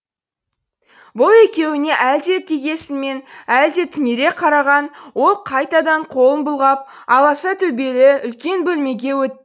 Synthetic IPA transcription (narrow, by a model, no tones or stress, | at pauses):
bʊlˠe̞kʲe̞wɪne̞ʔæld̪e̞p̚t̪ʰiɡʲe̞sɪme̞næld̪e̞t̪ʰʏne̞ɾe̞qʰɑɾɑʁɑnwo̞lˠqʰɑjt̪ɑd̪ɑɴqʰo̞lˠənbʊlˠʁɑp̚ | ɑlˠɑsɑt̪ʰɵbe̞lɪʏlkʲe̞nbɵlme̞ɡʲe̞wɵt̪̚ː